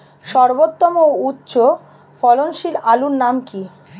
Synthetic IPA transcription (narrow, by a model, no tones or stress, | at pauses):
ʃɔɾbot̪ːɔmoutːɕo | fɔlonʃilalunnamki